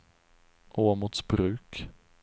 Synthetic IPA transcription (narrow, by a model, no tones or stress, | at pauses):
ʔoːmʊt̪sbɾʉ̟ːk